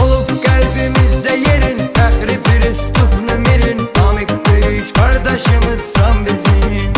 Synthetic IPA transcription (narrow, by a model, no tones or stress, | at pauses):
olˠupkʲælbɪmɪzd̪æjeɾɪnt̪ʰæχɾɪpɪɾɪst̪ʊpnɨmɪɾɪnɑmɪk̚ʲt̪eɾɪʃqʰɑɾd̪ɑʃɨmɨzsɑmbɪzɪ